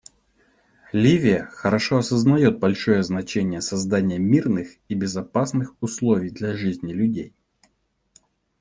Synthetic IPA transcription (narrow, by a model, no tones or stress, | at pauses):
lʲivʲɪjəxəɾɐʂo̞ɐsəznɐjo̞t̪̚bɐlʲʂo̞jəznɐt͡ɕenʲɪjəsɐzd̪anʲɪjəmʲirnɨx | ibʲɪzɐpasnɨxʊslˠo̞vʲɪjd̪lʲɐʐɨzʲnʲɪlʲʉdʲej